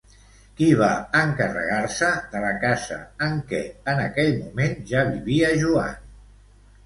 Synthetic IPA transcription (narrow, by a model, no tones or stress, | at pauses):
kiβaəŋkərə̰ɣaɾsəðələkazə̰əŋkɛənəkɛʎmumenʒaβiβiəʒua̰n